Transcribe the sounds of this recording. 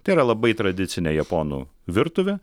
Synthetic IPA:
t̪ɐɪiɾɐlˠɐbɐɪt̪ɾɐd̪ʲɪt̪sʲɪnʲejɛpoːnṵːʋʲɪɾt̪ʊʋʲe

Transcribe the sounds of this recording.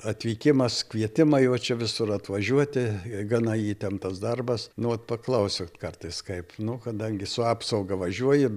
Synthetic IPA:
ɐt̪ʲʋʲiːkʲɪmɐskʋʲiɛt̪ʲɪmɐjɛʊt͡ʃʲɛʋʲɪsʊrɐt̪ʋɐʒʲuɔt̪ʲɪɡɐnɐjiːt̪ʲɛmt̪ɐsd̪ɐrbɐsnʊʋɐt̪̚pɐklˠɐʊsʲʊkɐrt̪ɐɪskɐɪpnʊkɐd̪ɐŋʲɡʲɪsʊɑːpsɐʊɡɐʋɐʒʲuɔjɪ

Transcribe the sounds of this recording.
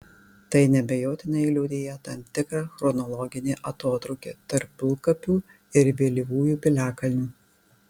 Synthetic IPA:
t̪ɐɪnʲɛbʲɛjoːt̪ʲɪnɐilʲɛʊd̪ʲeːjɛt̪ɐmt̪ʲɪkɾɑːxɾɔnɔlˠɔɡʲɪnʲeːʔɐt̪oːt̪ɾɔʊkʲḛːt̪ɐɾpːʲɪlˠkɐpʲuː | ɪɾʋʲeːlʲiʋuːjuːpʲɪlʲæːkɐlʲnʲuː

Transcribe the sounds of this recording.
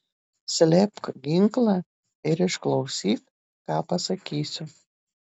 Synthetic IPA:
sʲlʲɛpkɡʲɪŋklˠɑ | ɪɾɪʃklˠɒʊsʲiːt̪̚ | kɑːpɐsɐkʲiːsʲʊ

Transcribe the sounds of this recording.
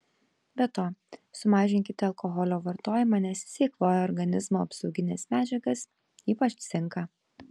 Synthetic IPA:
bʲɛt̪oːsʊmɑːʒʲɪnŋʲkʲɪt̪ʲɪɐlˠkɔɣɔlʲoːʋɐɾt̪oːjɪmɑːnʲɛsʲsʲiːkʋoːjɛɔɾɡɐnʲɪzmoːɐpsɒʊɡʲɪnʲḛːsmʲæːd͡ʒʲɛɡɐs | iːpɐt͡ʃʲsʲɪŋˑkɑ

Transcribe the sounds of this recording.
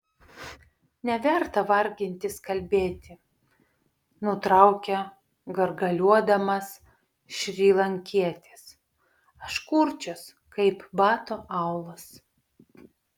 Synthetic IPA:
nʲɛʋʲɛɾt̪ɐʋɐɾʲɡʲɪnʲt̪ʲɪskɐlʲbʲeːt̪ʲɪ | nʊt̪ɾɑˑʊkʲɛ | ɡɐɾɡɐlʲuɔd̪ɐmɐs | ʃʲɾʲiːlˠɐŋʲkʲiɛt̪ʲɪs | ɐʃkuɾʲt͡ʃʲos | kɐɪpbɑːt̪oʔɑʊlˠɐs

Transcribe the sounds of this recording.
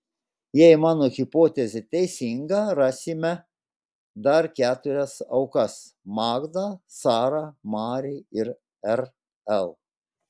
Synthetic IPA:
jɛɪmɑːnoːɣʲɪpoːt̪ʲɛzʲɪt̪ʲɛɪsʲɪŋɡɑɾɑːsʲiːmʲɛ | d̪ɐɾkʲæːt̪ʊɾʲɛsɐʊkɐs | mɑːɡd̪ɑsɑːɾɑːmɑːɾʲiɪɾ | ɛɾ | ɛlˠ

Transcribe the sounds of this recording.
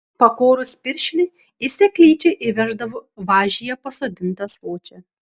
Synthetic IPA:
pɐkoːɾʊsʲpʲɪɾʲʃʲlʲɪ | ɪsʲɛkʲlʲiːt͡ʃʲɛɪʔɪʋʲæʒd̪ɐʋoʋɑːʒʲɪjɛpɐsoːd̪ʲɪnt̪ɐsʋoːt͡ʃʲɛ

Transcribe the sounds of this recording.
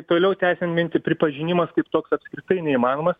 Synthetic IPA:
t̪oːlʲɛʊt̪ʲæɪsʲɛnmʲɪnʲt̪ʲɪpʲɾʲɪpɐʒʲɪnʲɪmɐskɐɪpt̪oːksɐpʲskɾʲɪt̪ɐɪnʲɛimɑːnoːmɐs

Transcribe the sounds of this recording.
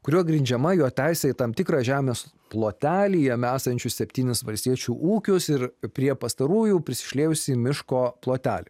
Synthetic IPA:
kʊɾʲuɔɡɾʲɪnʲd͡ʒʲɛmɐjoːt̪ʲæɪsʲɛɪt̪ɐmt̪ʲɪkɾɑːʒʲæːmʲeːs | plˠoːt̪ʲæːlʲijɛmʲæːsɐnʲt͡ʃʲʊssʲɛpʲt̪ʲiːnʲɪsʋɐlʲsʲt̪ʲiɛt͡ʃʲuːʔuːkʲʊsɪɾpʲɾʲiɛpɐst̪ɐɾuːjuːpʲɾʲɪsʲɪ̥ʃʲlʲeːjʊsʲɪmʲɪʃkoːplˠoːt̪ʲæːlʲɪ

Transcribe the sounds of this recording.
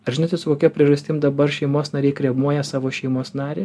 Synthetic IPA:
ɐʒʲɪnoːt̪ʲɛsʊkoːkʲɛpʲɾʲiɛʒɐsʲt̪ʲɪmd̪ɐbɐɾʃʲɛɪmoːsnɐɾʲɛɪkɾʲiɛmuɔjɛsɑːʋoːʃʲɛɪmoːsnɑːɾʲeː

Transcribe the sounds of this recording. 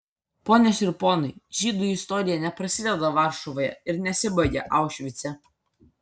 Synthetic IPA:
poːnʲɛsʲɪɾpoːnʊɪʒ̥ʲiːd̪uɪst̪ɔːɾʲɪjɛnʲɛpɾɐsʲɪd̪ʲɛd̪ɐʋɑˑɾʃɔʋoːjɛ̰ɪɾnʲɛsʲɪbɐɪɡʲḛʔɑˑʊʃʲʋʲɪt̪sʲɛ

